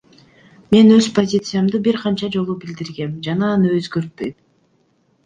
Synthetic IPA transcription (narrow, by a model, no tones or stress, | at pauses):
me̞nøzpozʲit̪sɨjamd̪ɯbiɾqʰɑnt͡ʃɑd͡ʒo̞lˠubild̪iɾɡe̞md͡ʒɑnɑːnɯøzɡøɾt̪̚pøjm